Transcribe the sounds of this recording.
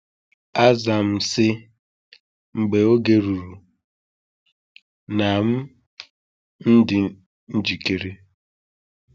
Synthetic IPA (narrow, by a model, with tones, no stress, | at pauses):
a˦za˨m̩˦sɪ˦ | ŋ͡m̩˨ɡ͡be˨o˦ɡe˨ɾu˨ɾu˨ | na˨m̩˦ | n̩˦dɪ˨ | n̩˦d͡ʒi˨ke˨ɾe˦